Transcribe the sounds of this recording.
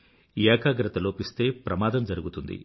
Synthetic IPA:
jɛːkʰaːɡɾɐt̪ɐlo̞ːpist̪e̞ːpɾɐmaːd̪ɐmd͡ʒɐɾuɡut̪und̪ḭ

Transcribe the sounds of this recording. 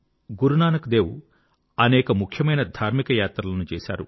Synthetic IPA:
ɡuɾunaːnɐkd̪eːwu | ɐnɛːkɐmukʰjɐmɐjnɐd̪ʱaːɾmikɐjaːt̪ɾɐlɐnut͡ʃɛːsa̰ːɾṵ

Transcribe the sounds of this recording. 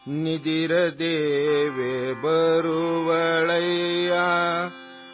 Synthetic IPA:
nid̪iɾɐd̪eːʋebɐɾuʋɐɭɐjːa

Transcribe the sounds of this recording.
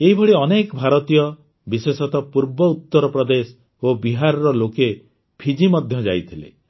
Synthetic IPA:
eɦibʱɔɽiɔnekɔbʱaɾɔt̪ijɔ | bisesɔt̪ɔpuɾbɔut̪ːɔɾɔpɾɔd̪esɔ̥ | obiɦaɾɔɾɔloke | pʰid͡ʒimɔd̪ʱjɔd͡ʒa̰jt̪ʰilḛ

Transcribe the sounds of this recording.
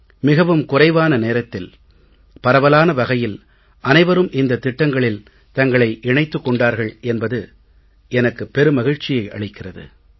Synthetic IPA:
mɪɣɐʋɯmkʊrɐɪʋaːnɐneːɾɐt̪ːɪl | pɐɾɐʋɐlaːnɐʋɐɣɐjɪl | ʔɐnɐɪʋɐɾɯmʔɪnd̪ɐt̪ːɪʈːɐŋɡɐɭɪl | t̪ɐŋɡɐɭɐɪʔɪɳɐɪt̪ːɯkːɔɳɖaːɾɣɐɭʔɛnbɐðɯ | ʔɛnɐkːɯpɛɾɯmɐɣɪɻt͡ʃɪjɐɪʔɐ̰ɭɪkːɪrɐðɯ̰

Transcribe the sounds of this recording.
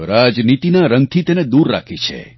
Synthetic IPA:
ɾad͡ʒnit̪inaɾəŋɡ̚t̪ʰit̪ened̪uɾːa̰kʰit͡ʃʰḛ

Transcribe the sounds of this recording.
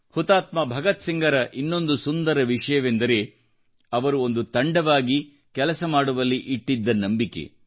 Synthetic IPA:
hut̪aːt̪mɐbʱɐɡɐt̪siŋɡɐɾɐʔinːo̞nd̪usund̪ɐɾɐʋiʂɐjɐʋend̪ɐɾe̞ː | ɐʋɐɾuo̞nd̪ut̪ɐɳɖɐʋaːɡi | kɛlɐsɐmaːɽuʋɐlːiʔiʈːid̪ːɐnɐmbike̞̰

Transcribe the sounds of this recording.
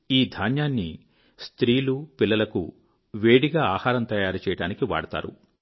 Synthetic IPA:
iːd̪ʱaːnjaːnːi | st̪ɾiːlupilːɐlɐkṵ | ʋeːɽiɡaːaːhaːɾɐmt̪ɐjaːɾit͡ʃɛjɐɽaːnikiʋa̰ːɽɐt̪a̰ːɾṵ

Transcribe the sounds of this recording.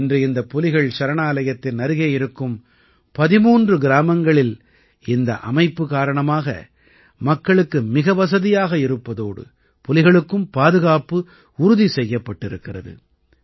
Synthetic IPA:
ndrɯɪnd̪ɐpːɔlɪɣɐɭt͡ʃɐɾɐɳaːlɐjɐt̪ːɪnnɐɾɯɣejɪɾɯkːɯm | pɐðɪmuːndrɯɡɪɾaːmɐŋɡɐɭɪl | ɪnd̪ɐ̰ʔɐ̰mɐɪpːɯkaːɾɐɳɐmaːɣɐ̰ | mɐkːɐɭɯkːɯmɪɣɐʋɐs̬ɐðɪjaːɣɐɪɾɯpːɐðoːɽɯ̰ | pɔlɪɣɐɭɯkːɯmpaːðɯɣaːpɯ | ʊɾʊðisɛjːɐpːɐʈːɪɾɯkːɪrɐ̰ðɯ̰

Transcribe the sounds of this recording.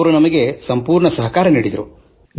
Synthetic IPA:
ʋɐɾunɐmɐɡe̞sɐmpuːɾɳɐsɐɦɐkaːɾɐniːɽid̪ɐɾṵ

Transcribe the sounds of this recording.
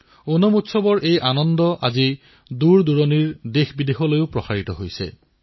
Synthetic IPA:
onɔmutsɔbɔɹʔejʔanɔndɔʔa̰zi | duɹduɹɔniɹdexbidexɔlojʊpɹɔsaɹitɔɦojsɛ̰

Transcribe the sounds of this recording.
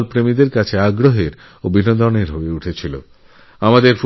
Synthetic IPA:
lpɾemid̪eɾkat͡ɕʰeaɡɾoɦeɾ | obʱinod̪ɔneɾɦoeuʈʰet͡ɕʰilo̰ | amad̪eɾf

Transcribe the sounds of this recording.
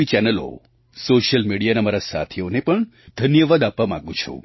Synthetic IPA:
it͡ʃɛnəlo̰ | soʃəlmiɽijanamaɾasa̰t̪ʰionepəɳ | d̪ʱənjəʋad̪apʋamã̰ɡũt͡ʃʰṵ̃

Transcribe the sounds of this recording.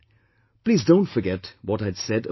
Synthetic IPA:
pʰl̥izdõʊ̃ntfə˞ɡɛt̚wʌɾaɪd̥sɛɾə

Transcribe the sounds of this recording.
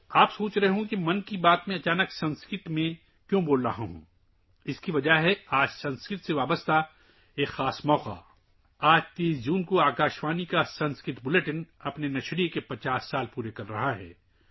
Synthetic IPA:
aːpsoːt͡ʃɾɐɦeɦũkimɐnkibaːt̪mẽɐt͡ʃaːnəksɐ̃nskɪʈmẽ | kjõːboːlɾɐɦãɦṵ̃ː | ɪskiʋɐd͡ʒaɦɛaːd͡ʒsɐ̃nskɪt̪seʋaːbəst̪a | eːkxaːsmɔːqa̰ | aːd͡ʒt̪eːsd͡ʒuːnkoaːkaːʃʋaːnikasɐ̃nskɪt̪bʊleʈɪnɐpnenɐʃɾikepɐt͡ʃaːsːaːlpuːɾekɐɾːɐ̰ɦaɦɛ̰ː

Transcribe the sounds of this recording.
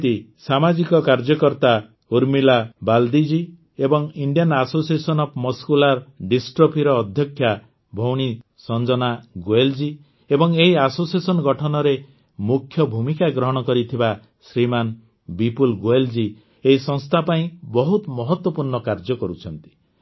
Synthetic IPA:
t̪isamad͡ʒikɔkaɾd͡ʒɔkɔɾt̪a | uɾmilabald̪id͡ʒi | ebɔŋiɳɖijanasosiesɔnɔpʰmɔskulaɾɖisʈɾopʰiɾɔːd̪ʱjɔkʰːja | bʱɔwɽ̃i | sɔnd͡ʒɔnaɡoeld͡ʒi | ebɔŋeɦiasosiesɔnɔɡɔʈʰɔnɔɾe | mukʰːjɔbʱumikaɡɾɔɦɔɽ̃ɔkɔɾit̪ʰiba | sɾiman | bipulɡoeld͡ʒi | eisɔŋst̪ʰapaĩbɔɦut̪mɔɦɔt̪wɔpuɾɳɔkaɾd͡ʒɔkɔɾut͡ʃʰɔnt̪i̥

